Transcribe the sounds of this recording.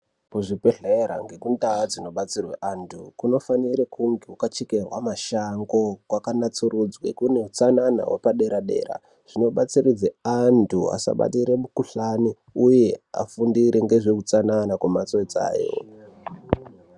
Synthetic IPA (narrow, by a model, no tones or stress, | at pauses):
kuʐipeɬeɾa̰ŋɡekundaːd͡zino̞ɓat͡sirwḛʔantʰukuno̞faniɾekuŋɡeukat͡ʃikerwa̰maʃaŋɡo̞kwakanat͡surud͡zwḛkune̞ut͡sanana̰ɦwepaɗe̞ɾaɗe̞̰ːra̰ | ʐ̥ino̞ɓat͡sirid͡zeantʰua̰sa̰ɓa̰tiɾemukuɬani | uje̞a̰fundiɾeŋɡe̞ʐekut͡sananakwemat͡soid͡za̰ːjo̰